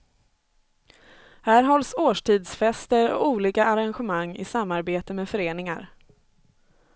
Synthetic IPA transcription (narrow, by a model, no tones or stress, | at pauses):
hæːɾɦɔlsoːʂʈʰiːd̪sfɛst̪əɾɔ̰uːliːkaʔːɾanɧəmaŋːɪ̰samːaɾbeːt̪əmeːfœɾeːnɪŋa̰ɾ